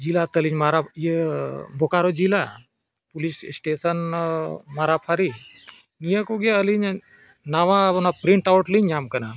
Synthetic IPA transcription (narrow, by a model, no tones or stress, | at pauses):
d͡ʒilat̪əliɲmaɾajibʱokaɾod͡ʒila | pulissʈeːsɐn | maɾapʰaɾi | nijakoɡjaəliɲ | naʋãɐnapɾiɳʈawʈliɲamkəna